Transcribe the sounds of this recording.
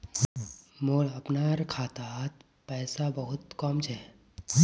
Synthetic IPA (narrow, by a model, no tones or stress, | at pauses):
moːɭɐpnaɾkʰaːt̪at̪ | pɛːsabəɦʊt̪kɔːmt͡ʃʰɛː